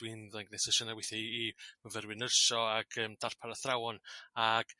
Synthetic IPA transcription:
wɪnðaŋɡnɛsɛʃɔnawɪθɛiimavɛɾwɨnərʃɔaɡ̥əːmd̥ar̥pʰaɾaθrawɔnaɡ̥

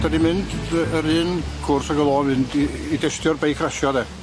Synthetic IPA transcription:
d̥adimɪndəəɾɪnkʰʊrsaɡəlˠɔmɪndiidɛstjɔrbejkʰraʃjɔðɛ

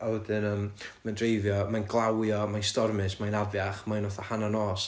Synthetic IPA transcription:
awɛdɨnəːmməndrejvjɔmanɡlˠawjɔmajnstɔrmɨsmajnavjaχmajnɔθɔhananɔːs

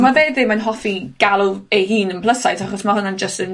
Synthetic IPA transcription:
maveːdðɪmanɦɔfiɡ̥alˠʊeɦiːnənpʰlˠəsajtʰaχɔsmahʊnand͡ʒəstən

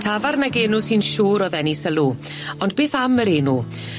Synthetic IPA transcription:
tʰavarnaɡeːnʊsinʃuːɾɔðɛnisəlˠuː | ɔndbeːθaməɾeːnu

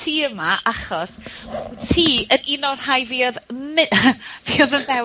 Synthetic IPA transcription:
tʰiːəmaʔaχɔstʰiːəninɔr̥hajviːɔðmɪviːɔðənvɛ

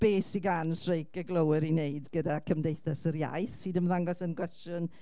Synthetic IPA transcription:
b̥eːsiɡansrejkəɡlˠowəɾinejdɡədakʰəmdejθasəɾja̰jθsiːdəmðaŋɡɔsənkʰwɛstjʊn

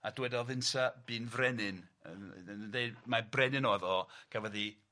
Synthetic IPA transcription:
adwɛdɔvɪnsab̥iːnvrɛnɪnəndejmabrɛnɨnɔðɔɡ̥ʰavɔði

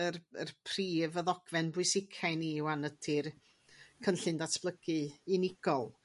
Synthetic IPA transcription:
əərpʰriːvəðɔɡ̥vɛnbʊɨsɪkʰajniwanəd̥ʰɪr | kʰənɬɨndatʰb̥lˠəɡ̥ɨːnɪɡ̥ɔlˠ

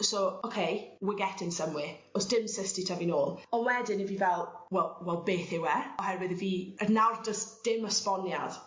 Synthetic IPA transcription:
sookʰejwɪɡɛtʰɪnsəmwɪɔsd̥ɪmsəstitʰaviːnoːlˠɔnwɛdɪnəviːvɛlˠwɛlˠwɛlˠbeːθɪwɛrɔhɛrwɪðəviːənawrdəsd̥ɪməspɔnjad̥

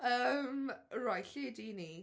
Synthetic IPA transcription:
əːmɹajɬidini

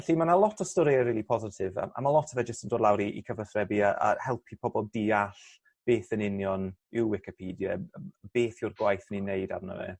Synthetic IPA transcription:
ɛɬimanalˠɔtʰɔstɔɾiəɾiːlˠipʰɔzɪtʰɪva̰ʔa̰malˠɔtʰɔvɛd͡ʒəstəndoːdlˠawɾiʔḭkʰəvəθrɛbiaʔa̰hɛlˠpʰipʰɔbɔlˠdiaɬ | b̥eːθənɪnjɔnɪwwɪkɪpʰiːdjəb̥eːθjʊrɡwajθəninejda̰rnə̰wɛ̰

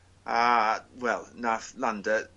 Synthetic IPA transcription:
awɛlˠnaθlandə

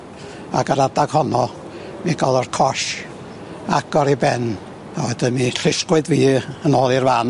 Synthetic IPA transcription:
a̰ɡaɾadaɡ̥hɔnɔ | miɡɔlˠɔrkʰɔʃ | aɡ̥ɔɾibɛn | awɛdənmiɬɪskwɨdviːənoːlˠirvan

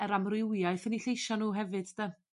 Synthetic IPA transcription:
ɛɾamrɪwjaɨθəniɬejʃɔnuːɦɛvɨd̥d̥ə

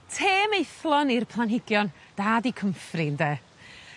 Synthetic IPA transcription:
tʰeːmejθlˠɔnirpʰlˠanɦɪɡjɔn | d̥aːdikʰəmfrɪndeː

